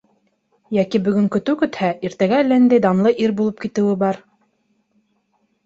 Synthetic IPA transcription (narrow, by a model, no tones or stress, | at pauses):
jækibɵ̆ɡɵ̆ŋkɵ̆t̪ɘwkɵ̆t̪hæʔiɾt̪æɡælæɘnd̪æjd̪ɑmlˠɤʔiɾbulˠɤp̚kit̪ɘ̆wɘbɑɾ